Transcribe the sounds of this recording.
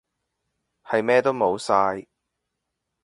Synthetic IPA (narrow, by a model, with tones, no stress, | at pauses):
hɐ˨jmɛː˥t̪o˥wmo˨˧wsaː˧j